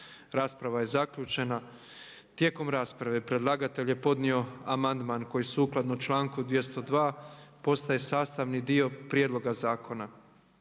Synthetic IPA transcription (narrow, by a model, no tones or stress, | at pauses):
ɾaːspɾaʋaje̞zakʎut͡ʃe̞na | t̪je̞ko̞mɾaːspɾaʋe̞pɾe̞d̪lˠaɡat̪e̞ʎje̞po̞d̪nio̞amand̪manko̞jisuːklˠad̪not͡ʃlˠaːŋkud̪ʋje̞st̪o̞d̪ʋaːpo̞st̪aje̞saːst̪aʋnid̪io̞pɾjed̪lˠo̞ɡazaːkʰo̞na